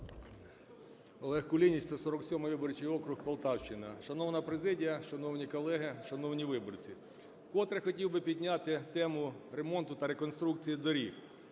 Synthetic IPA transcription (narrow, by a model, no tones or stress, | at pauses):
ɔlˠɛxkʊlʲinʲisʲt̪ɔsɔɾɔksʲɔmɪjʋʲɪbɔrt͡ʃijɔkɾʊxpɐlˠt̪ɑwʃt͡ʃɪnɐʃɐnɔwnɐpɾezɪdʲijɐʃɐnɔwnʲikɔlˠɛɦɪʃɐnɔwnʲiʋɪbɔrt͡sʲi | kɔt̪ɾɐxɔtʲiwbɪpʲid̪ʲnʲat̪ɪt̪ɛmʊɾe̞mɔnt̪ʊt̪ɐɾekɔnst̪ɾuk̚t͡sʲijid̪ɔɾʲi